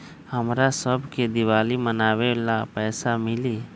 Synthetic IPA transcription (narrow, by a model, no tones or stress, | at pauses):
həmɾasəbʱked̪ɪwaːlimənaːwelapɛːsamɪliː